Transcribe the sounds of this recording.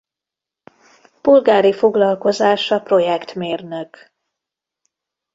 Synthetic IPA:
pulɡaːɾifo̞ɡlɒlko̞zaːʃɒpro̞jɛkt̪meːrnøk

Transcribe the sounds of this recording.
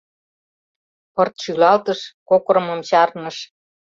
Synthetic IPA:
pɤrt̪ʃylɑlt̪ə̆ʃkokɾɤ̆mə̆mɕɑrnə̆ʃ

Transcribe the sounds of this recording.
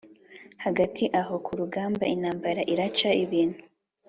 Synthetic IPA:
haɡatʰiʔaɦo̞kʰuɾuɡaːmbainaːmbaɾaʔiɾat͡ʃaiβiːn̥hu

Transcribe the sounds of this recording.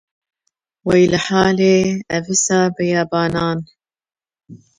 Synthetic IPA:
wɛjlɨħaːleːævɨsaːbɨjɑːbɑːnɑːn

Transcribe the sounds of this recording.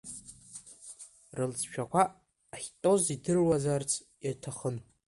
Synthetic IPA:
rɨlt͡sʰʃᶣʰakʷaː | χʲtʼo̞zidɨrwazart͡sʰ | jatʰaχən

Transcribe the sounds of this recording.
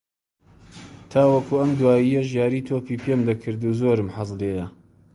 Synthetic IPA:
t̪ʰaːwɐkuɐmd̪waːjijɐʒjaːɾiːt̪ʰoːpiːpʰemd̪ɐkʰɨɾd̪uzoɾɨmħɑzleːjɐ

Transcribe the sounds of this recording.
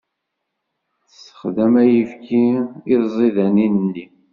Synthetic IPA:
sə̥χðæmæjəfkʰiɪzˤiðæninːi

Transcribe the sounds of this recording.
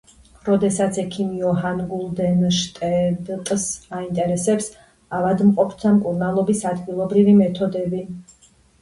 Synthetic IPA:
ɾɔd̪ɛsat̪sʰɛkʰimiɔɦanɡulˠd̪ɛnʃt̪ʼɛbt̪ʼsaint̪ʼɛɾɛsɛps | avad̪mqʼɔpʰt̪ʰamkʼuɾnalˠɔbisad̪ɡilˠɔbɾivimɛt̪ʰɔd̪ɛbi

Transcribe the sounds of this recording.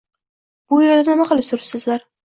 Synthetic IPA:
b̥ʊjeɾd̪anɪmaqɨlˠɪp̚t̪ʊɾɪpsɪzlaɾ

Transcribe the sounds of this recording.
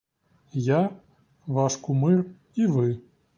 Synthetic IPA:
ja | vaʂkumɨr | ivɨ

